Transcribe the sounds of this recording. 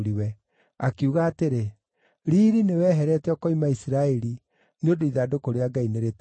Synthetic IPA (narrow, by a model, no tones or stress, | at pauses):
ɾiwɛ | akiuɣaːteɾe | ɾiːɾinewɛːɦɛɾɛtɛɔkɔimaisiɾaɛɾi | neodoiðaːdokoɾeaɡaineɾet